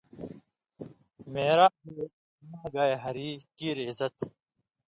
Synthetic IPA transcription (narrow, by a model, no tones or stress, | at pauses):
meːɾaːɦeː | maːɡaːjɦɐɾiːkiːɾizɐt̪